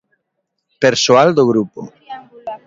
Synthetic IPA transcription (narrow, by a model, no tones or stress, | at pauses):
peɾsoald̪oɣ̞ɾupo̰